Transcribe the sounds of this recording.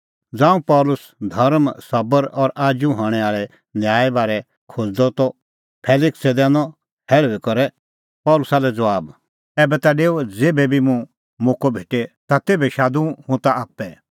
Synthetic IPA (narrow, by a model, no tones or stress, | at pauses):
d͡zãːũpɔːlʊs | d̪ʱɐɾmsɐbəɾɔːɾʔaːd͡ʒũɦɔːɽ̃ɛaːɭɛ | njaːɛbaːɾɛ | kʰʊd͡zd̪ɔt̪ɔ | pʰɛːlɪksɛd̪ɛ̃ːnɔ | hɛːɭʋikɔɾɛ | pɔːlʊsaːlɛd͡zɐʋaːb | ɛːbɛt̪aɖeːod͡zeːbɛbʱimũ | mʊ̃kobʱeːʈet̪at̪eːbɛʃaːd̪ũɦʊ̃t̪aaːpːɛ